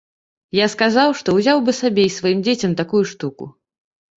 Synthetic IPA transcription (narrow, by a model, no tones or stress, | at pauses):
jaskazawʂt̪ɔwzʲawbɨsabʲejsvajimd͡zʲet͡sʲɐmt̪akujuʂt̪ukṵ